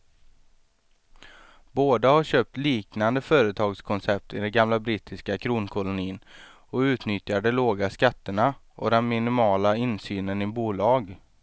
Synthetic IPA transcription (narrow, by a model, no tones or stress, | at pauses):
boːd̪ahaɾɕøːp̚t̪liːknand̪əfœːɾət̪ʰɑːɡskʰɔnsɛp̚t̪ʰɪd̪ɛɡamlabɾiːt̪ɪskakʰɾuːnkʰɔlʊniːn | ɔʉ̟ːt̪nʏt̪jaɖɛloːɡaskat̪ːəɳa | ʔɔ̰d̪ɛnmɪnɪmɑːlaɪnsyːnənɪbuːlɑːɡ